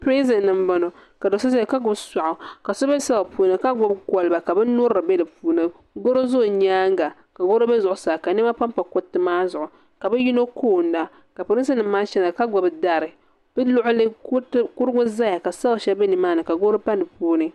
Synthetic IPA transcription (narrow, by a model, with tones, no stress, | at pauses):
pɾe˦zɛ˨nːɨ˨m˦ba˨no˨ka˨do˨sa˦za˦˨ka˦ɡʊ˦bsa˨ʔʊ˨ka˨so˦bɛ˦sa˦la˨puː˦nɨ˦ka˦ɡɔ˦bkɔ˨lɨ˨ba˨ka˨bɛ˦no˦ɾɾɨ˨bɛ˦dɨ˨puː˨nɨ˨ | ɡo˦ɾo˦zo˦˨ɲaː˦ŋɡa˨ | ka˨ɡo˦ɾo˦bɛ˦zʊ˨ʔʊ˨saː˨ka˨ni˦ma˦pa˦m˦pa˨ko˦tːɨ˦maː˦zʊ˨ʔʊ˨ | ka˨bɛ˦ji˦no˦kʰoː˦˨n̩da˦ | ka˨po˨ɾi˦sɨ˦nɨ˨mmːaː˦ʃɛ˦na˨ka˦ɡɔ˨bda˦ɾɨ˨ | bɨ˦lʊ˦ʔʊ˦lɨ˦kʊ˦ɾɨ˦ɡʊ˦za˦ja˨ka˨sa˦lʃɛ˦bɛ˦nɨ˨maː˦nɨ˨ka˨ɡo˦ɾo˦pa˦nɨ˨puː˦nɨ˦